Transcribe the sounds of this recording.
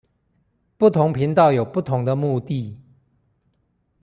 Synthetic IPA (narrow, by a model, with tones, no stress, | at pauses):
pu˥˩t̪ʰʊ˧˦ŋpʰi˨˧˦nt̪ɑ˥˨ʊjo˨˩ʊpu˥˩t̪ʰʊ˧˦ŋd̪ə˨mu˥˧t̪i˥˨